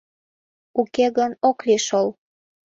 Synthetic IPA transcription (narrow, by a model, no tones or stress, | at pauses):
ukeɣənokliʃol